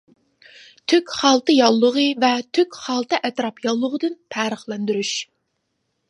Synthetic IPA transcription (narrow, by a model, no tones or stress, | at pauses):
t̪ʰøkʲχɑlˠt̪ɨjɑlˠːəʁəvɛt̪ʰøkʲχɑlˠt̪ɨʔɛt̪ɾɑpjɑlˠːəʁəd̪ɨnpʰæːɾəχlˠɛnd̪yɾyʃ